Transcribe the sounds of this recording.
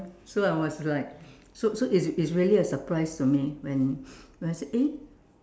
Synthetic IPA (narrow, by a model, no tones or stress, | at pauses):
soaɪwɔslaɪk̚ | sosoʔisisɹiəliəsəpɹaɪstumiwɛ̃nwɛ̃naseʔe